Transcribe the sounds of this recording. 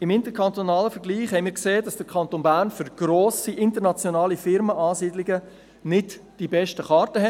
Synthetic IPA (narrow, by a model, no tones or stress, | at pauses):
ɪmɪntəɾkʰɑnt̪onɑːləfəɾɡliːχhɛɪmiːɾkseːdɑsd̥əɾkʰɑntonbæːɾnfʏɾɡ̥ɾoːsiʔɪntəɾnɑt͡sjonɑːlifɪɾməʔɑːsiːdliɡə | nɪdd̥ibɛʃtəχɑːɾtəɦɛ